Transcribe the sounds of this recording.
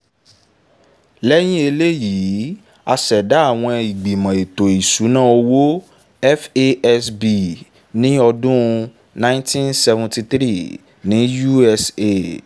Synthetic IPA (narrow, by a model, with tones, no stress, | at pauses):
lɛ˦j̃ĩ˦e˧le˦ji˨˦ | a˧ʃɛ˨da˨˦a˦˨w̃ɔ̃˧i˨ɡ͡bi˨mã˨e˨to˨i˨su˨˦nãː˦˨o˧wo˦ | ɛ˦fe˦ɛ˦sbi˨ | nĩ˦ɔ˧dʊũ˦˧ | nã˦ĩ˦ntĩ˦nsɛ˧vũ˧ti˧t̪ɾi˦˨ | nĩ˨˦ju˦ɛ˧se˧